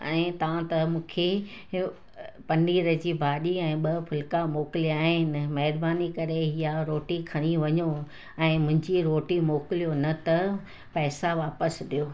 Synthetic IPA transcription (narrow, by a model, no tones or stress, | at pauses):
ɛ̃ːt̪ɐʋãt̪ɐmũːkʰe | pɐniːɾəd͡ʑibʱaːɗiɛ̃ːɓɐpʰʊlkamoːkɪliaːɦɪnɪ̆mɐɦɪɾbaːnikɐɾeɦijaɾoːʈikʰɐɽ̃iʋɐɲo | ɛ̃ːmʊ̃ɦɪ̃ɲd͡ʑiɾoːʈimoːkɪlijonɐt̪ɐ | pɛːsaʋaːpəsɗijoː